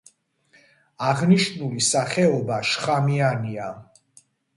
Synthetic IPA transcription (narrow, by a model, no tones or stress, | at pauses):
aʁniʃnulisaχɛɔbaʃχamiania